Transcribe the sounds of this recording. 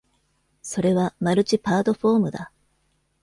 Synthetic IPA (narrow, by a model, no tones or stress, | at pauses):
so̞ɾe̞βamaɾɯ̟t͡ɕipaːt̪o̞ɸo̞ːmɯ̟d̪a